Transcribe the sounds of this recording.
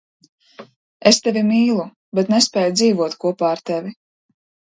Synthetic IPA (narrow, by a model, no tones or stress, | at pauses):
est̪evʲimiːlˠu | bɛt̪nɛspɛːjud̪ziːvuɔt̪kuɔpaːɾt̪evʲi